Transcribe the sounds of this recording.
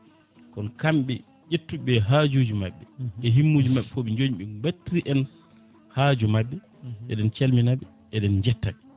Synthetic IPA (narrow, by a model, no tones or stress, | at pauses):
kɔnkamɓɛ | d͡ʒetːuɓɛɦad͡ʒuːd͡ʒumaɓːɛɛɦimːud͡ʒumaɓɛfoɓiɲd͡ʒoɲiɓɛbatːiɾiʔɛn | haːd͡ʒumaɓːɛ | ɛ̰ɗɛnt͡ʃelminaɓɛ | ɛɗɛnd͡ʒɛtːaɓɛ